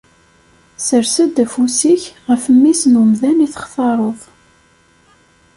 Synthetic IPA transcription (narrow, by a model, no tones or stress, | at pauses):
səɾsæd̪æfusiçʁəfəmːisnumðæniθə̥χθɑɾˤoðˤ